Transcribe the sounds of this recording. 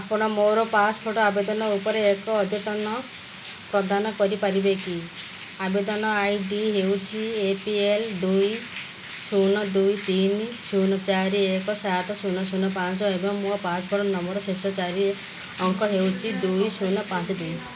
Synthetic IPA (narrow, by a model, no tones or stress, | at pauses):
apɔɽ̃ɔmoɾɔpaspʰoʈɔabed̪ɔnɔupɔɾeːkɔːd̪jɔt̪ɔnɔ | pɾɔd̪anɔkɔɾipaɾibeki | abed̪ɔnɔajɖiɦewt͡ʃʰiepield̪uj | sunɔd̪ujt̪insunɔt͡ʃaɾiekɔsat̪ɔsunɔsunɔpãnt͡ʃɔebɔŋmuɔpasɔpʰoʈɔnɔmɔɾɔsesɔt͡ʃaɾi | ɔŋkʰɔɦewt͡ʃʰid̪ujsunɔpãt͡ʃɔd̪uj